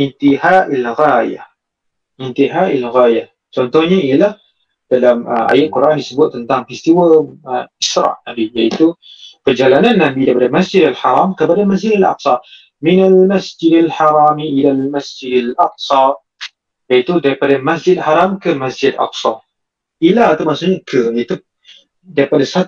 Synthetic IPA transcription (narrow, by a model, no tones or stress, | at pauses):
ʔɪnt̪iɦaʔalɣaja̰ | ʔɪnt̪iɦaʔalɣaja | t͡ʃɔnt̪ɔhɲailah | d̥alamʔa̰jat̪̚kuɾʔandisəbʊt̪̚ːənt̪aŋfist̪iwa | ɪsɾɑ̰ʔnabijait̪ubərd͡ʒalananːambid̪apadamasd͡ʒɪd̪alħɑɾˤɑmkəbadamas̬d͡ʒɪd̪alʔɑ̰qsˤɑ | minalmasd͡ʒɪdalħaɾˤɑːmiʔilalmasd͡ʒɪdalʔɑq̚sˤɑ | jait̪udaɾipadamasd͡ʒɪd̪̚ħaɾˤɑmkəmasd͡ʒɪd̪a̰qsɑ̰ʔ | ilahat̪amaʔsuɲakʰəjait̪u | daɾipadasa